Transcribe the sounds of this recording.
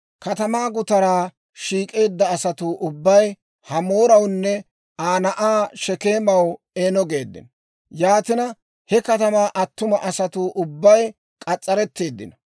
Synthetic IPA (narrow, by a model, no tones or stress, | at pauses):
kɐt̪ɐmaːɡʊt̪ɐɾaː | ʃiːkʼe̞ːd̪ːɐːsɐt̪uʔʊbːɐj | hɐmo̞ːɾɐwnːɛ | aːnɐʔaːʃɛke̞ːmɐw | eːnɔɡe̞ːd̪ːɪ̰n | jaːt̪ɪnɐ | hɛkɐt̪ɐmaːʔɐt̪ːʊmɐʔɐsɐt̪uːʔʊbːɐj | kʼɐt͡sʼːɐɾɛt̪ːe̞ːd̪ːɪ̰nɐ